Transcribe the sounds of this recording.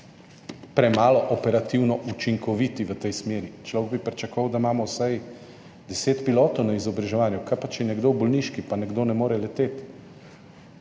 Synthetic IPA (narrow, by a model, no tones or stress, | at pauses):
pɾɛmaːlɔʔɔpɛɾat̪iwnɔʔut͡ʃiŋkɔʋit̪iʋət̪ɛjsmeːɾit͡ʃlɔwɡ̚bipɾʲt͡ʃakɔʋɐwd̪amaːmɔwsaj | d̪ɛseːt̪piloːt̪ɔwnaizɔbɾaʒɛʋaːnjukapat͡ʃjɛnɛɡd̪owbɔlniʃkipanɛɡd̪oːnɛmoːɾɛlɛt̪eːt̪